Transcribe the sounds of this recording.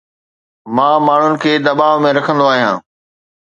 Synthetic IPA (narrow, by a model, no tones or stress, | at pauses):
mãːmaːɳ̤ʊnɪ̆kʰeːd̪ɐbaːʋmẽɾɐkʰə̃nd̪oaːɦijãː